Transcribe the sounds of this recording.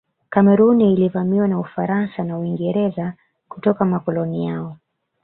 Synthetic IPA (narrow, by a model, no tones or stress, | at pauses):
kamɛɾuniːlivamiwanaufaɾansanauiŋɡɛɾɛza | kutɔkamakɔlɔnijaɔ